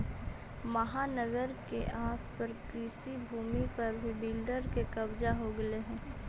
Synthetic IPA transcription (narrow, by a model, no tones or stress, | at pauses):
mɐɦaːnəɡəɾkeʔaːspəɾkɾiːsibʱuːmipɐɾbʱibɪlɖəɾkekɐbd͡ʒaɦoɡɐeɦɛ̃ː